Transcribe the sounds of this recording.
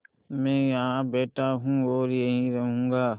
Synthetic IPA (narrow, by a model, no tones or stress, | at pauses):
mɛ̃ːjɦãbeːʈaɦũːoːɾjɐɦĩɾɐɦũːŋɡaː